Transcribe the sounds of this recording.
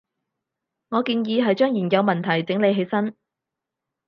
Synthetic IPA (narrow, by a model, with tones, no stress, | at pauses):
ŋɔː˨˧kiː˧njiː˨˧ɦɐ˨jt͡ʃœː˥ŋjiː˨˩nkɐ˨˧wmɐ˨˩nt̪ʰɐ˨˩jt͡sɪ˨˥ŋle˨˧jɦe˨˥jsɐ˥n